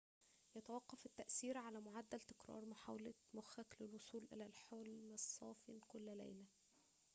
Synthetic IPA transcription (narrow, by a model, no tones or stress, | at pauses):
jɑt̪æwɑqːɑfɪt̪ːæʔsiːɾʕalæmoʕad̪ːælt̪ɪ̥kɾˤɑ̰ːɾˤmaħa̰wlæ | mʊxæklɪlwosˤuːlʔɪ̰lælħolmsˤːɑːfinkʊlːælḛːlæ